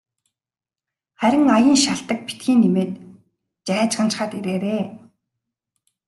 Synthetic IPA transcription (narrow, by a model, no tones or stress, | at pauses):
χæɾʲɪ̆ŋajə̆ːnʃaɬt̪ə̆k̚pi̥t̪ɡiːnːimeːt̪ | t͡ɕæːt͡ɕɢə̆n̥t͡ɕχaːt̪iɾeːɾeː